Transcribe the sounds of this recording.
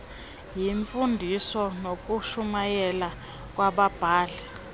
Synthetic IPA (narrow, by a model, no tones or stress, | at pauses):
jiɱfundʱisɔnok̬ʼuʃumajɛla | k̬ʼwaɓab̥ʱaːɮɛ